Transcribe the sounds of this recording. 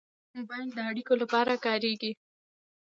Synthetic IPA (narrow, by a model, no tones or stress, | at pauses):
mʊbɑjld̪əaɽikolapɑɾakɑɾeɡi